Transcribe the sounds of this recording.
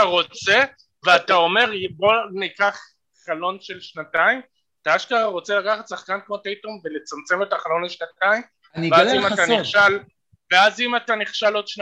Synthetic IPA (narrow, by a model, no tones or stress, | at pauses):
aʁo̞t͡se̞ | veatao̞me̞ʁbo̞nikaχ | χalo̞nʃe̞lʃnataim | ataaʃkaaʁo̞t͡se̞lakaχat̪saχkankmo̞tejtomve̞le̞t͡samt͡se̞metaχalo̞naleʃnataim | nveazimataniχʃal | veazimataniχʃalo̞dʃna